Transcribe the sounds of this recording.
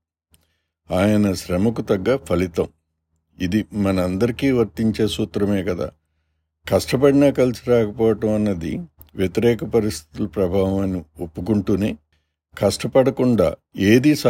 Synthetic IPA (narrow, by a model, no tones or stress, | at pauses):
aːjɐnɐʃɾɐmɐkut̪ɐɡːaːpʰɐlit̪ɐm | id̪imɐnɐɐnd̪ɐɾikiːʋɐɾt̪iɲt͡ʃe̞ːsuːt̪ɾɐmeːkɐd̪a̰ː | kɐʂʈɐp̬ɐɽinaːkɐlisiɾaːkɐpɔːʋɐʈɐmɐnːɐd̪ḭ | ʋjet̪iɾɛːkɐpɐɾist̪ʰi̥t̪ulɐpɾɐbʱaːʋɐmɐniopːukuɳʈuːneː | kɐʂʈɐpɐɽɐkuɳɖa̰ː | eːd̪iːsa